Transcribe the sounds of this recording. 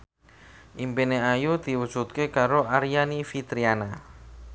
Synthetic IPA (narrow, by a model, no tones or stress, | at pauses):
ʔimpineajud̪̥i̤wud̥ʒ̥ṳt̪̚kekaɾoʔaɾijanifit̪ɾiana